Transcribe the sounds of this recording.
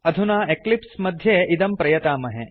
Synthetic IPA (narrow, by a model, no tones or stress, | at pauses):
ɐd̪ʱunaːeklipsmɐd̪ʱjeːʔid̪ɐmpɾɐjɐt̪aːmɐɦe